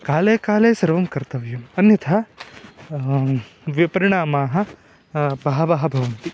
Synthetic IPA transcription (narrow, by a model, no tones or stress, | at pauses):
kaːleːkaːleːsɐɾʋɐmkɐɾt̪ɐʋjumɐnjɐt̪ʰɐ | ʋipɐɾiɳaːmaːɦɐ̆ | bɐɦɐbɐɦɐbʱɐʋɐnt̪i